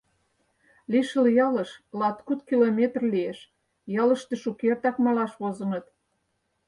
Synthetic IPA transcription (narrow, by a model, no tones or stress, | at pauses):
liʃəljɑlə̆ʃlɑt̪kut̪kilomʲet̪rlieʃ | jɑlə̆ʃt̪eʃukert̪ɑkmɑlɑʃβozə̆nə̆t̪